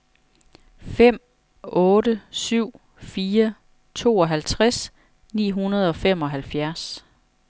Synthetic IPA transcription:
fem̰ | ɔ̽ːɾəsyʊ̰ | fiːɐ | t͡sʰo̝̰ːɒ̽ɦælt͡sʰʁas | nḭːɦunɐð̞ˠɒ̽fem̰ɒ̽ɦælfjæɐs

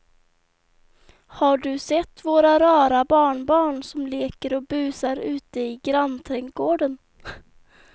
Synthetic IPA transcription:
haɖɵsɛt̪ːvoːɾaɾɑːɾabɑːɳbɑːɳsɔmleːkəɾɔbʉ̟ːsaɾʉ̟ːt̪əɪɡɾanːt̪ʰɾɛŋkɡoːɖən

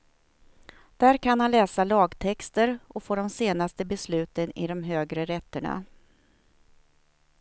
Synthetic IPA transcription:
d̪̥æɾkʰanhanlɛːsalɑːɡt̪ʰɛkst̪əɾʔɔfoːɖɔmseːnast̪əbɛslʉ̟ːt̪ənɪ̰d̪ɔmɦøːɡɾəɾɛt̪ːəɳa̰

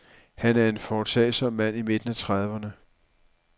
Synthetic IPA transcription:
hænæɐe̝nfɒ̥ːt͡sʰɛ̰ːsɒmmæn̰ime̝d̥n̩æt͡sʰʁað̞ˠʋɐnə

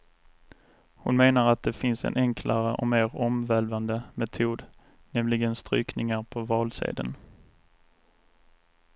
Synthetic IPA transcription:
hʊnmeːnaɾat̪̚d̪ɛfɪnsɛ̰nʔɛŋkʰla̰ɾəʔɔ̰meːɾɔmvɛlvand̪əmɛt̪ʰuːd̪ | nɛmlɪɡənst̪ɾy̰ːkʰnɪŋaɾpʰɔvɑːlsḛːd̪ə̰n

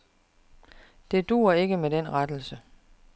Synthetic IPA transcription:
d̥e̝d̥ṵːɐe̝ɡ̥əmeden̰ʁad̥l̩sə

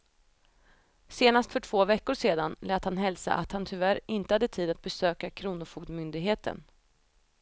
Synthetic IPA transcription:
seːnast̪fœʈʰv̥oːvɛkːʊʂeːd̪anlʔɛːt̪hanɦɛlsa̰ʔat̪hant̪ʰʏvæɾɪnt̪əhad̪ːət̪ʰiːd̪at̪̚bɛsøːkakʰɾuːnʊfuːɡd̪mʏnd̪ɪɡɦeːt̪ʰə̰n

